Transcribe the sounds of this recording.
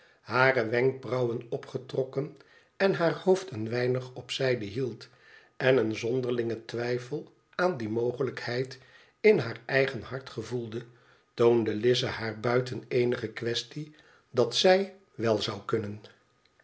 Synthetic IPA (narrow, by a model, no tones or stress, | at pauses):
haːrəʋɛŋk̚brɑwənɔpχətrɔkən | ɛnɦaːɹhowftənʋɛjnəχɔpsɛjdəɦilˠt | ɛnənzɔndəɹlɪŋətʋɛjfəlˠ | aːndimowχələkhɛjt | ɪnɦaːɹɛjχənɦɑɹtχəvulˠdə | towndəlɪzəhaːɹbœɥtənejnəχəkʋɛsti | dɑtsɛj | ʋɛlˠzɑwkɵnən